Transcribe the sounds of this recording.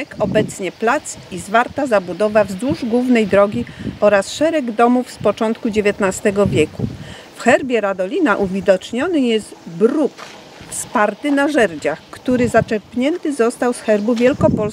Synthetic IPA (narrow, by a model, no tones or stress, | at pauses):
kɔbɛt̪sɲɛplat̪sizvaɾt̪azabud̪ɔvavzd̪uʐɡwuvnɛjd̪ɾɔɡʲiɔɾasʂɛɾɛɡd̪ɔmufspɔt͡ʂɔnt̪kud͡ʑevʲjɛt̪nast̪ɛɡɔvʲjɛkṵ | fxɛɾbʲjɛɾad̪ɔlʲinaʔuvʲid̪ɔt͡ʂɲɔnɘjɛzt̪bɾuk | fspaɾt̪ɘnaʐɛɾd͡ʑaxkt̪uɾɘzat͡ʂɛɾpɲɛnt̪ɘzɔst̪awsxɛɾbuvʲjɛlkɔpɔls